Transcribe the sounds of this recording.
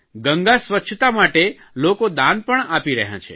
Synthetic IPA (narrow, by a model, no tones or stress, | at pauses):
ɡə̃ŋɡasʋətːʃʰt̪amaʈe | lokod̪ãnpəɳapiɾə̰ɦjã̰t͡ʃʰḛ